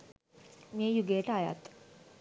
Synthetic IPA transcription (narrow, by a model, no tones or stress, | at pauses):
mejuɡeːʈaja̰t̪